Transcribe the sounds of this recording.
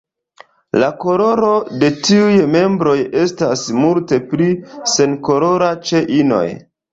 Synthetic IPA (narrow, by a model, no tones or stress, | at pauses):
lako̞ɾo̞ɾo̞de̞tiujme̞mbɾo̞je̞stasmulte̞plise̞nkoɾo̞ɾat͡ʃe̞ʔino̰j